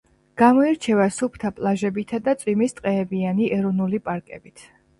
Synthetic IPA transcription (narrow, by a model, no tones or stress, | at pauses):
ɡ̥amɔiɾt͡ʃʰɛvasupʰt̪ʰapʼlˠaʒɛbit̪ʰad̪at̪sʼwimist̪ʼqʼɛːbianiʔɛɾɔnulipʼaɾkʼɛ̰bit̪ʰ